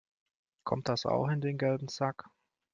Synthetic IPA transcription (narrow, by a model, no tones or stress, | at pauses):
kʰɔ̰mt̚d̥asa̰ʊxɪndeːnɡɛlbm̩zak